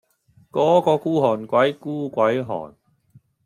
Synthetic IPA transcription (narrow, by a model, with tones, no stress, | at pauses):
kɔː˨˥kɔː˧kuː˥ɦɔː˨˩nkwɐ˨˦˥jkuː˥˩kwɐ˨˦jɦɔ̰ː˨˩n